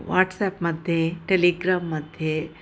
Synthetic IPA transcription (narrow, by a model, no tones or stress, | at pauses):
ʋa̰ːʈsɛːpmɐd̪ʱjeʈeliːɡɾaːmːɐd̪ʱje